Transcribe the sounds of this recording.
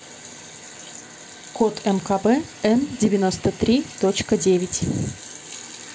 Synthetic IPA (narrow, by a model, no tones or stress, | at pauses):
kot̪ʰɛmkabɛɛndʲɪvʲɪnost̪ət̪ɾʲit̪ot͡ɕkədʲevʲɪtʲ